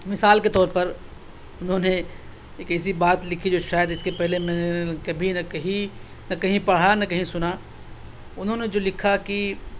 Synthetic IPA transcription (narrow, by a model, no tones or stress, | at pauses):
mɪsaːlket̪ɔːɾpɐɾ | ʊnɦõne | eːkɛːs̬ibaːt̪lɪkʰid͡ʒoːʃaːjəd̪ɪskepɛɦlemɛ̃ːnekɐbʱinɐkɐɦĩ | nɐkɐɦĩpɐɽ̤anɐkɐɦĩsʊna | ʊnɦõned͡ʒoːlɪkʰaki